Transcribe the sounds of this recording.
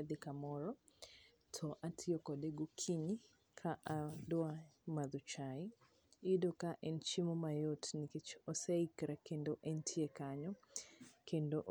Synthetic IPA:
d̪ikamɔɾɔ | tʰɔʔatʰɪɔkɔdeɡokʰiɲi | kʰaʔadwamad̪ut͡ʃai | ɪdokaʔɛnt͡ʃimɔmajotniket͡ʃɔseikɾakendoʔɛntʰiekaɲɔ | kendoʔ

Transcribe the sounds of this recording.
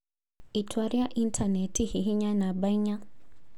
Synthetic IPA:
itʰwaɾiaʔintʰanɛtihiɦiɲanabaiɲa

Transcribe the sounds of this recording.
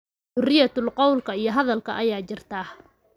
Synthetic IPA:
ʊrɪjɐt̪ʊlqɑwlkʰɐijɞɦɐðɐlkʰɐ̰ʔɐjaːt͡ʃɪrt̪ʰaː

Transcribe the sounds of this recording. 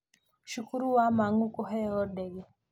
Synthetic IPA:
ʃukuɾuwamaŋukɔɦɛɔdɛɡe

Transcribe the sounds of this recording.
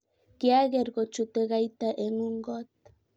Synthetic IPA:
keaɣeɾɣot͡ʃut̪eɣajt̪aʔeŋuŋɡot̪̚

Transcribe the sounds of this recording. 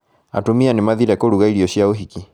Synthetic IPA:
a̰tumianimaðiɾaakoɾuɣaiɾiɔʃiaoɦiki

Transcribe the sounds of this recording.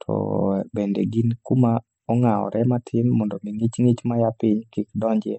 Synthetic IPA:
tʰɔ̰bendḛɡinkuma | ɔŋaɔ̰ɾʔɛmatʰɪmːɔndɔmiŋit͡ʃŋit͡ʃmajapɪɲkikdɔɲd͡ʒɛ

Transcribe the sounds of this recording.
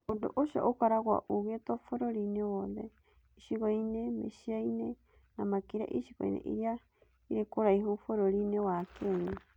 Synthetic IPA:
odoʔoʃa̰ʔokaɾaɣwa̰ʔuɣet̪ofoɾoɾinewoðe | iʃiɣojnemḛʃiajne | namakiɾa̰ʔiʃiɣo̰ḭnḛʔḭɾia | iɾekoɾaiɦufoɾoɾinewakeɲe

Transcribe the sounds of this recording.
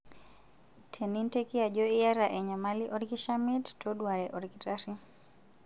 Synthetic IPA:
tʰɛnintɛkiaʄɔiaɾaʔɛɲamaliʔɔɾkiʃamittɔɗwaɾɛʔɔɾkitaɾi

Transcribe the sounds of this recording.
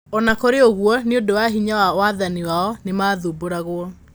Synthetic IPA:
ɔnakoɾeoɣwɔneodowaɦiɲawawaðaniwaɔnemaːðuboɾaɣoɔ

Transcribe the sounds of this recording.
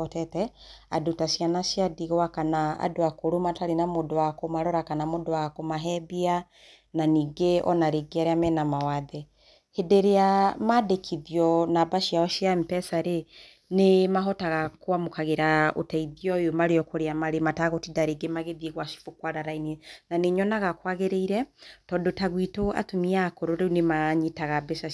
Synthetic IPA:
ɔtɛtɛa̰dotaʃijanaʃijadiɣwakanaa̰doakoɾomataɾenamodoakomaɾɔɾakanamodowaɣkomaɦɛbia | naniːɡeɔ̰naɾeɡeaɾeamɛnamawaðɛ | hedeɾeamadekʰiðjɔnabaʃiaɔʃiampɛsaɾe | nemaɦɔtaɣakoamokaɣeɾao̰taiðiɔjomaɾeɔkoɾeamaɾemataɣotidaɾeɡemaɣeðieɣwaʃi̥fokwaɾaɾainɛnaneɲɔnaɣakwaɣeɾeiɾɛtɔːndotaɣwitoa̰tomiakoɾoɾeunemaɲitaɣabesa

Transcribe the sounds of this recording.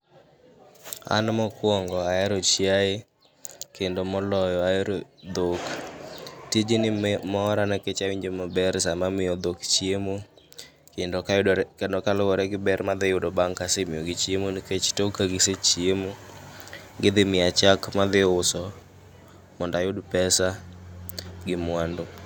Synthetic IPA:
a̰nmɔkwɔŋɡɔaɛɾɔt͡ʃjae | kendomɔlɔjɔaɛɾod̪ok | tid͡ʒinɪmɔːɾanɛket͡ʃawiɲd͡ʒemɔbɛɾsamamɪjɔd̪okt͡ʃjemo | kendɔkndɔkalɔwɔɾɛɡɪbɛɾmad̪ejʊdɔbaŋkasemɪjoɡɪt͡ʃiemoniket͡ʃtokaɡɪset͡ʃjemo | ɡɪd̪ɪmɪat͡ʃakmad̪ɪʊsɔ | mɔndajʊdpɛsa | ɡɪmwando

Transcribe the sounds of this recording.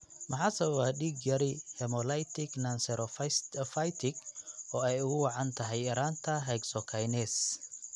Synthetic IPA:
mɑħɑsɐwaːɖiːɡjɐɾɪhɛmɔlajt̪ʰɪknɐnsɛɾʔɔffɐjt̪ʰɪɡɔːɛjʊɣʊwɑʕɑnt̪ʰɐɦɛjɪɾaːnt̪ʰɐɦɛɡsɔkʰajnɛs

